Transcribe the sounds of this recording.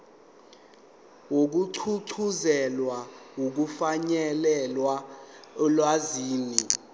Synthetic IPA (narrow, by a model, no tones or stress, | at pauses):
wok̬uǀʰuǀʰuzɛlwawok̬ufaɲɛlɛlwa | lwaziːni